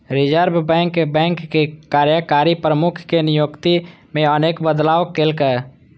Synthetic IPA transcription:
ɾɪd͡ʒəɾbbɛ̃ːŋkebɛ̃ːŋkːekaːɾjəkaːɾipɾəmʊkʰkenɪjoːɡt̪imẽəneːkbəd̪laːokelke

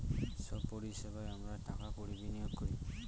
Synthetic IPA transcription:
sɔbpɔɾiisɛbajamɹatakakoɹibinijɔɡkɔɹi

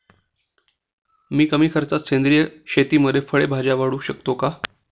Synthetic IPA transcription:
miːkəmiːkʰəɾt͡sat̪t͡ɕʰend̪ɾijəɕet̪iːməd̪ʱːjefəɭebʱad͡ʑjaʋaɽuːɕəkt̪oka

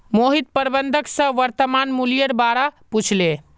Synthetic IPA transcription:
moɦit̪̚pəɾbənd̪ʱəksə̃ʋəɾt̪əmanmulijəɾbaɾaput͡ʃʰle

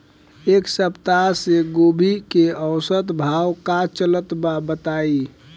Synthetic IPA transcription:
eksəpt̪aseɡobʱikeəwsət̪bʱawkat͡ʃələt̪babət̪ai

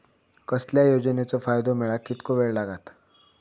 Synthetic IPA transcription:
kəsljajod͡zənet͡sɔfajd̪omiɭakːit̪koʋeɭlaɡat̪

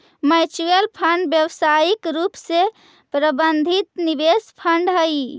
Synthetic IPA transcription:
mat͡ʃujəlpʰəɳɖbjəwsaikɾupse | pɾəbənd̪ʱit̪nibespʰəɳɖɦəj

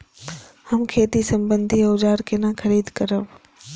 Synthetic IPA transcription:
hɐmkʰeːt̪isɐ̃mbənd̪ʱiʊd͡ʒaːɾkʰenãkəɾiːd̪ʱkəɾəʋ

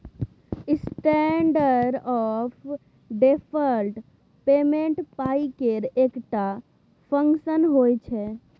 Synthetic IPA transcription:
ɪsʈɛɳɖəɾɖɔːpʰ | ɖepʰəɾlʈ | peːmẽɳʈpaːikeɾeːkʈa | pʰə̃ŋkʃənɦoːjt͡ʃʰɛ

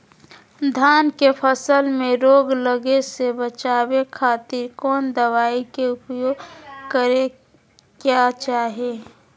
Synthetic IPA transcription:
d̪ʱaːnkepʰəsəlmẽɾoːɡləɡesebət͡ʃaːbekʰaːt̪ɪɾkɔːnd̪əʋaːikeʊpjoːɡkəɾe | kjat͡ʃaːɦeː

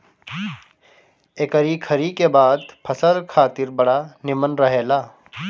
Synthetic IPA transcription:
eːkəɾikʰɐɾikebaːd̪pʰɐsəɾkʰaːt̪ɪɾbɐɽanɪmənɾəɦeːlaː

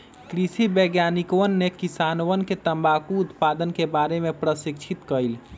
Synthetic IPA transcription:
kɾisibeɡjanikoənːekisanowənket̪əmbakuːt̪pad̪ənkebaɾemepɾəsikt͡ʃʰit̪kəjl

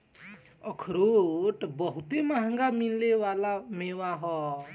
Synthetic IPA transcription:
ɔkʰɾoʈbɔɦut̪emaɦaŋɡamillewalamewaɦɔ

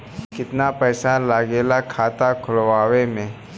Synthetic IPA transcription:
kɪt̪napɛːsalaɡeːlakʰaːt̪akʰʊlʋaːwemẽː

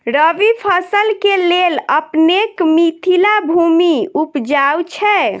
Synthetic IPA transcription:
ɾəʋipʰəsəlkeleləpnekmit̪ʰilabʱumiupd͡ʒawt͡ʃʰɛ

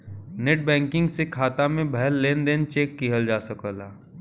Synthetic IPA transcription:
neːʈ̚bɛ̃ːŋkɪ̃ŋɡsekʰaːt̪amẽbʱɛɦlːeːnd̪eːnt͡ʃeːkːiɦəld͡ʒaːsəkəlaː

